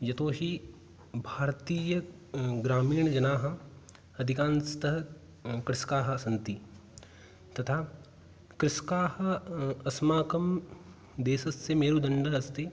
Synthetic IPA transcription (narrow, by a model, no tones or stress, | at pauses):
jɐt̪oːɦi | bʱaːɾt̪iːjəɡɾaːmiːɳ̃d͡ʒɐnaːɦɐ̆ | ɐd̪ʱɪkãːnst̪ɐɦ | kɾɪskaːɦɐ̆ɐsɐnt̪i | t̪ɐt̪ʰaː | kɾɪʃkaːɦɐ̆ɐsmaːkɐm | d̪eːsɐsːemeːɾuːd̪ɐɳɖəɦɐst̪i